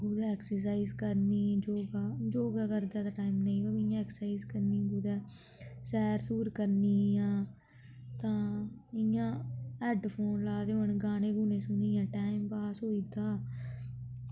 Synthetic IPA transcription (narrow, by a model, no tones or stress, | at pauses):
ɡuːd̪aːɛːksəɾs̬aːiːzkəɾniːd͡ʒoːɡaːd͡ʒoːɡaːkəɾd̪aːt̪aːʈaːimnəĩːbaːkːɪjãːɛːksaːiːzkəɾniːɡuːd̪ɛː | sɛːɾsuːɾkəɾniːãː | t̪ãːɪjãːɛːɖpʰoːnlaːd̪eːɦoɳɡaːnẽːɡuːnẽːsʊniːãːʈaːɪmpaːsɦoːiːd̪aː